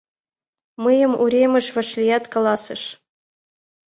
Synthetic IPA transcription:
mɤjɤ̆muɾʲemʲɘ̆ʃvɘ̆ʃlʲijɑt̪kɑlˠɑsɤ̆ʃ

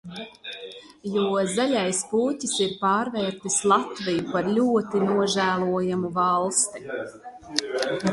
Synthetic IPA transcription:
juɔzaʎʲajspuːtisiɾpaːɾvɛːɾt̪islˠat̪vijupaɾlʲuɔt̪inuɔʒæːlˠuɔjamuvɑlˠst̪i

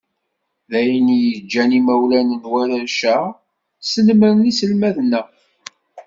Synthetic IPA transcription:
ðæjənjəd͡ʒːænimæwlænənwæɾæʃæ | sənəməɾnisəlmæðnæ

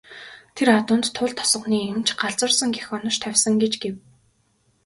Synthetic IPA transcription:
t̪ʰeɾat̪ʊːnt̪ʰːʊɮt̪ʰɔ̥sə̆χniːemt͡ɕɢaɮt͡swə̆rsə̆ŋɡexɔnɞ̆ʃt̪ʰæwʲsə̆ŋɡet͡ɕɡew

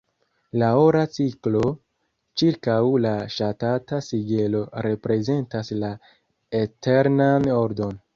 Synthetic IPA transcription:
laoɾat͡siklo̞ | t͡ʃiɾkawlaʃatatasiɡelo̞ɾe̞pɾe̞ze̞ntasla | ete̞ɾnanoɾdo̞n

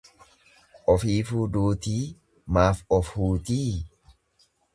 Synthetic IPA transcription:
ʔɔfiːfuːd̪uːt̪iː | maːfɔfhuːt̪iː

